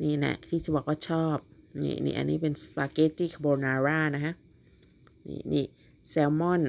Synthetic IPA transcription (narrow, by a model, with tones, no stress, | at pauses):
niː˧˩na̰˧˩t̪ʰiː˥˩t͡ɕʰa˧˩ba˨˧˩kɔː˥˩t͡ɕʰɔː˥˩p̚nḭː˧˩nḭː˧˩ʔa̰˧nːiː˦˥˩pe˧nspaː˧ke˦˥t̪iː˥˩kʰboː˧naː˧ɾaː˥˩na˦˥kʰa˦˥ | nḭː˧˩nḭː˧˩ | sɛː˧wmɔ˥˩˨n